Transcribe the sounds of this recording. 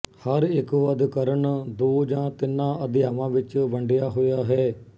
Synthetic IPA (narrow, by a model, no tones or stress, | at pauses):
həɾɪkʋəd̪kəɾəɳd̪oːd͡ʒãːt̪ɪnːãːəd̪ɪjaːʋãːʋɪt͡ʃʋəɳɖɪjaːɦoːjaːɦɛː